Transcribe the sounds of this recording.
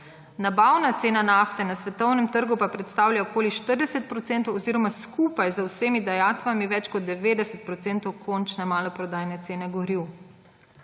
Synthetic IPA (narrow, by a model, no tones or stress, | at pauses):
nabawnat̪seːnanaft̪ɛnasʋɛt̪ɔwnɛmt̪əɾɡupapɾɛt̪st̪awlʲjaokʰoːliʃt̪əɾd̪ɛsɛt̪̚pɾɔt̪sent̪ɔwɔziːɾɔmaskupajzəwsemid̪ajaːt̪ʋamiʋɛt͡ʃkɔd̪̚d̪ɛʋeːd̪ɛsɛt̪̚pɾɔt̪seːnt̪ɔwkʰɔnt͡ʃnɛmaːlɔpɾɔd̪aːjnɛt̪seːnɛɡɔɾiw